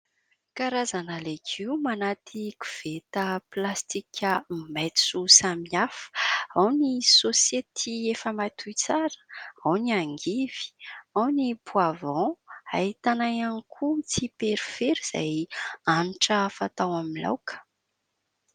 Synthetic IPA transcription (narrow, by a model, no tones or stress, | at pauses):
kaɾazanalekʰiumanat̪ʰikuv̥et̪əplast̪ikʲʰəmet͡susamafə̥awnisosjet̪ʰiefəmat̪ʰujt͡saɾə̥awniaŋɡiv̥i̥awnipuavɔ̃a̰it̪anajanikʰut͡sipeɾifeɾiz̥a̰janʈ͡ʂəfat̪awamila̰wkə̥